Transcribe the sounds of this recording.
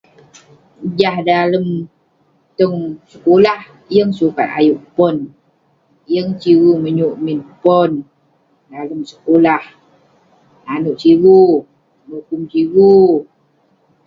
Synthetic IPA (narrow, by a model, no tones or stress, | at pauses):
d͡ʒahdaləm | t̪əŋsəkolah | jəŋsuka̰t̪a̰juʔpɔn | jəŋt͡ʃiwuməɲuʔminpɔn | daləmsə̥kolah | nanuʔt͡ʃiwu | nukumt͡ʃiwu